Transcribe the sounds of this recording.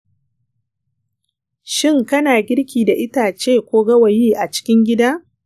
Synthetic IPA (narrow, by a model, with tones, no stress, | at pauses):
ʃɪ˦ŋkɐ˦naː˨ɡʲɪ˦ɽkʲiː˨da˨ʔɪ˦taː˨t͡ʃeː˦kʷoː˦ɡɐ˦wɐ˨jiː˦ʔa˨t͡ʃɪ̥˦kʲɪ˦ŋɡʲɪ˦daː˦